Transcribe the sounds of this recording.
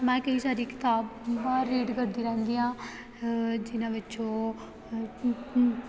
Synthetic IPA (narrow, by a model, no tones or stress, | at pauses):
mɛ̃ːkəiːsaːɾiːkɪ̥t̪aːbːaːɾːiːɖkəɾd̪iːɾɛ̃ːnd̪iːãː | d͡ʒɪnãːʋɪt͡ʃoː